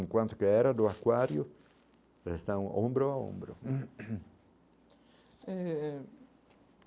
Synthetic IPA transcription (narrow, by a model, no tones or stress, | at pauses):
ŋkwãnt̪ʊkeɛɾad̪ʊakwaɾjʊ | rest̪ãw̃õmbɾʊaõ̰mbɾʊ | ɛ